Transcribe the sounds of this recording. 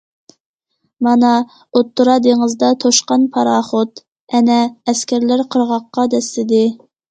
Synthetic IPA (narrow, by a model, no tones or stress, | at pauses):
mɑnɑ | ot̪ːuɾɑd̪eŋəzd̪ɑt̪ʰoʃqɑnpʰɑɾɑːχot̪ | ɛnɛːskʲʰæɾlæɾqʰəɾʁɑqːɑd̪ɛslɪd̪ɪ